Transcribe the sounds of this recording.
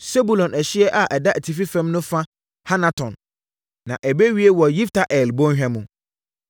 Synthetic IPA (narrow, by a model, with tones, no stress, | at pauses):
se˦bu˨lɔ̃˨næ˨ɕɪ˦ɛ˦ʔa˨ʔɛ˨da˦ʔæ˨tʰi˨fi˦fɛ̃˦mnʊ̃˦fã˦ | ha˦nã˨tʰɔ̃˨n | nã˨ʔɛ˨be˦ɥi˦e˦wɔ˨ji˦ftʰa˨ʔɛ˨lbɔ̃˦ɲ˦hᶣɛ̃˦mũ˨